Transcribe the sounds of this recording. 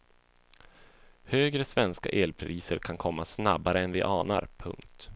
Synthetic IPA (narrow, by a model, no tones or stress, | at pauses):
høːɡɾəsvɛnska̰ʔeːlpʰɾiːsəɾkʰankʰɔmːasnabaɾəɛnvɪʔɑːna̰ɾpʰɵ̰ŋkt̪